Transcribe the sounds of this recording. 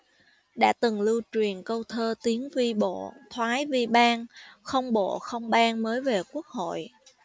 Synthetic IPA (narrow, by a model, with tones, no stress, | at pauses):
ɗa̰ː˧˥t̪ɨ˨˩ŋlɨ˧wt͡ɕwi˨˩ənkə˧wt̪ʰəː˧t̪i˨˦ənvi˧ɓo̰˧˨t̪ʰwaː˨˦jvi˧ɓaː˧ŋxə˧wŋ͡mɓo̰˧˨xə˧wŋ͡mɓaː˧nməː˨˦jve˨˩ku˦˥ək̚ho̰˧˨jʔ